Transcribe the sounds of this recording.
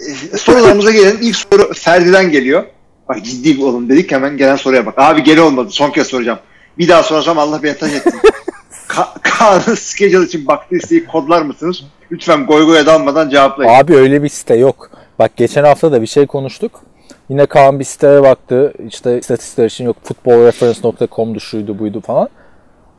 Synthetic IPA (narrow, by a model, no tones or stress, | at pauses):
ɛso̞ɾulˠaɾmɯzaɟelʲeinilʲcsoɾufæɾd̪id̪ænɟe̞lʲijo̞ | bakd͡ʒid̪ːiːbiolˠumd̪e̞d̪ichɛmænɟelʲænso̞ɾujapakaːbiɟe̞lʲɛolˠmad̪ɯso̞ncʰeɛso̞ɾud͡ʒam | bid̪aːso̞ɾasamalˠːahbent̪ʰaʃɛt̪ʰːin | kʰakʰaːnɯsced͡ʒalit͡ʃʰinbakt̪ʰɯːist̪ʰejikʰo̞d̪lˠaɾmɯsɯnɯz̥ | yyt̪fænɡo̞jɡojad̪alˠmad̪and͡ʒevaplˠaaːbiø̞jlʲɛbisi̥t̪ʰɛjok | b̥ak̚ɟe̞t͡ʃʰænhaft̪ʰad̪abiʃe̞jkʰo̞nuʃt̪ʰuk | jinɛkʰaɯnbisi̥t̪ʰʲaɾabak̚t̪ʰɯiʃt̪ʰɛst̪ʰat̪ʰist̪i̥klʲˠaɾit͡ʃʰinjo̞k̚fut̪̚bo̞lˠɾefɾɛnsno̞k̚t̪ʰakʰo̞md̪uʃujd̪ubujd̪ufalˠan